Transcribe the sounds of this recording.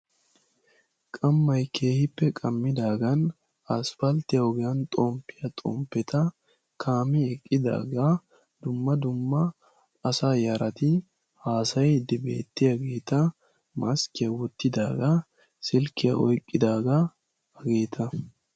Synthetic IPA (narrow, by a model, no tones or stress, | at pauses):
kʼɐmːɐjkʰe̞ːhɪpːɛkʼɐmːɪd̪aːɡɐn | ɐsfɐlt̪ɪjɐɔɡɛjɐnt̪ʼɔmpːɪjɐt̪ʼɔ̰mpːɛt̪ʰɐ | kʰaːmɪɛkʼːɪd̪a̰ːɡa | d̪̥ʊmːɐd̪ʊmːɐː | saːjɐɾɐt̪ɪ | haːsɐjd̪ːɪbe̞̰ːt̪ːɪjɐɡeːt̪ɐ | mɐskɪjɐwɔt̪ːɪd̪aːɡɐ | sɪlkɪjɐ̰ʔɔjkʼːɪd̪aːɡɐ | ɐɡeːt̪ʰɐ